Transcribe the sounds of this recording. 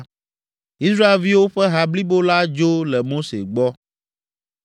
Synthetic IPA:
i˦sɾa˦e˨lvi˦wo˦ɸɛ˦ɦa˨bli˦bo˦la˦d͡ʒo˦lɛ˨mo˦sḛ˨ɡ͡bɔ˦

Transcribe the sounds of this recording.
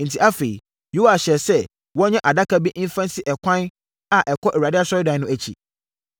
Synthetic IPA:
n̩˨tʰi˦ʔa˦fe˨i˨ | jo˦a˨ɕɛ˨sɛ˦ | wɔ̃˦ɲɛ̃˦ʔa˨da˦ka˦bi˦ʔi˦n˦fã˦nsɪ˦ʔɛ˨kʷʰã˦n | a˨ʔɛ˨kʰɔ˦ʔɛ˨wa˨ɪ˦a˦sɔ˦ɾɪ˦dã˨˦nʊ̃˦æ˨t͡ɕʰḭ˨

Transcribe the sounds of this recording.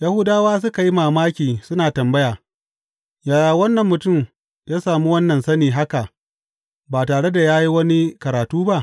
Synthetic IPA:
ja˦hu˦daː˦waː˦s̬ʊ˦ka˨ji˦maː˨maː˦kʲiː˨sʊ˦naː˨tɐ˨mbɐ˦jaː˨ | jaː˨jaː˨wɐ˦nːɐ˨mːʊ˨tʊ˦˨m | jaː˦saː˨mu˦wɐ˦nːɐ˨nsɐ˦niː˨ɦa˦ka˨ʔ | baː˨taː˨ɽe˦da˨jaː˦ji˦wɐ˦ni˦kɐ˨ɾaː˨tuː˦ba˦ʔ

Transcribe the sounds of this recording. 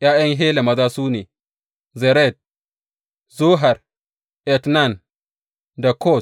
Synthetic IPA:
j̰ʔaː˦jɐ˦ŋɦeː˦le˨mɐ˦zaː˦suː˦neː˨ | zɛ˨ɾɛ˦˨d̚ | zuː˦ɦa˨r | ʔɛ˨tna˦˨n | da˨kʰɔ˦˨

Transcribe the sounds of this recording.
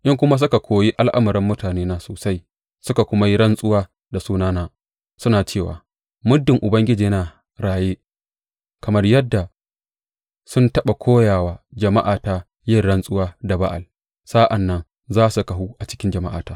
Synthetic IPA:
ʔɪ˦ŋkʷʊ˦ma˦s̬ʊ˦ka˨kʰʷoː˨ji˦ʔa˦lʔa˦mɐ˨ɾɪ˦mːʊ˦taː˨neː˦naː˦soː˨sa˦j | sʊ˦ka˨kʷʊ˦ma˦ji˦ɽɐ˦nsʼʊ˦waː˦ | da˨suː˦naː˦naː˦ | sʊ˦naː˨t͡ʃeː˦˨wa̰ː˨ | mʊ˦dːɪ˨ŋʔʊ˨bɐ˦ŋɡʲɪ˦d͡ʒiː˨˦naː˨ | ɽaː˨jeː˦ | kɐ˨mɐ˦rjɐ˦dːa˨ | sʊ˦ntɐ˦ɓa˨kʷʰoː˦jaː˨waː˦d͡ʒɐ˨ma˦ʔaː˨taː˦ | jɪ˦˨rɽɐ˦nsʼʊ˦waː˦da˨ba˦ʔa̰˨l | saː˦ʔa˨nːɐ˦n | zaː˦su˨ka˨ɦu˦ʔa˨t͡ʃɪ̥˦kʲɪ˦nd͡ʒɐ˨ma˦ʔa̰ː˨taː˦

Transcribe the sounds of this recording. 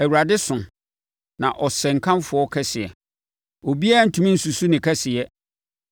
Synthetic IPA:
æ˨wu˨ɾa˨dɪ˦sʊ̃˨ | nã̰˨ʔɔ˨sɛ˨ŋ̩˨kʰã˦mfʊ˨ɔ˦kʰɛ˦sɪ˨ɛ̰˨ | ɔ˨bi˦a˦˨n̩˦tʰũ˨mĩ˦n̩˨su˨su˦nɪ̃˨kʰɛ˦sɪ˨ɛ˦

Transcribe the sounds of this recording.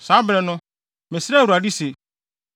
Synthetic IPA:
sãː˨˦bɾɛ˨nʊ̃˦ | mɛ̃˨sɾɛ˦˨wu˨a˨di˦se˨

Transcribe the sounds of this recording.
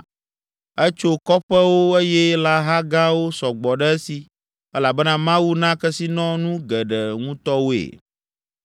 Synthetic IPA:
ɛ˦t͡ʃo˦kɔ˦ɸɛ˦wo˦e˦jɛ˦la˦ɦa˦ɡa˦wo˦sɔ˨ɡ͡bɔ˨ɖɛ˦si˨ | ɛ˦la˨bɛ˦nã˦mã˦wu˦nã˦kɛ˦si˦nɔ̃˦nũ˦ɡɛ˨ɖɛ˨ŋũ˦t̪ɔ˦wo˦ḛ˨

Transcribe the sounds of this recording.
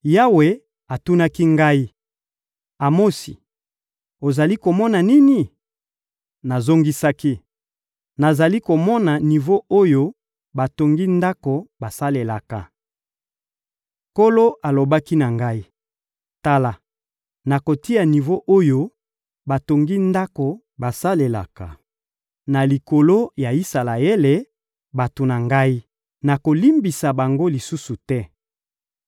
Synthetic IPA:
ja˦we˨ | a˨tu˦na˦ki˦ŋɡa˦i˦ | a˨mo˦sḭ˨ | o˨za˨li˦ko˨mɔ˦na˨ni˦ni˨ | na˨zo˦ŋɡi˦sa˦ki˦ | na˨za˨li˦ko˨mɔ˦na˨ni˨vo˦ʔo˦jo˦ | ba˨to˨ŋɡi˦nda˦ko˨ba˨sa˦le˨la̰˨ka̰˦ | ko˦lo˦a˨lo˨ba˦ki˦na˨ŋɡa˦i˦ | ta˦la˨ | na˨ko˨ti˦a˨ni˨vo˦ʔo˦jo˦ | ba˨to˨ŋɡi˦nda˦ko˨ | ba˨sa˦le˨la̰˨ka̰˨ | na˨li˨ko˨lo˦ja˨i˦sa˨la˨e˦le˨ | ba˨to˨na˨ŋɡa˦i˦ | na˨ko˨li˦mbi˨sa˨ba˨ŋɡo˦li˨su˦su˨tɛ˦

